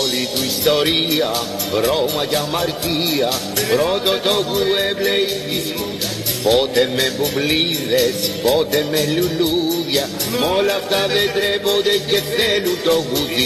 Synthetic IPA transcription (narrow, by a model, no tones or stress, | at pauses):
olit̪uist̪oɾia | ɾomajamaɾkia | pɾot̪ot̪oɣuebleii | pot̪emebuβliðespot̪emeluluβjamolat̪aðed̪ɾebod̪eket̪elut̪oɣut̪i